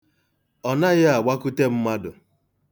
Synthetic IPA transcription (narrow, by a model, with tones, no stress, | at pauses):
ɔ˨na˦ɣɪ˦a˨wa˦ku˦te˦m̩˦ma˦dʊ˨